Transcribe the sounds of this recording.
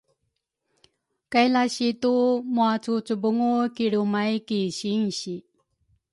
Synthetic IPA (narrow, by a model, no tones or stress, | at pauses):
kajlaɕitumuat͡sut͡subuŋukiɾumajkiɕiŋɕi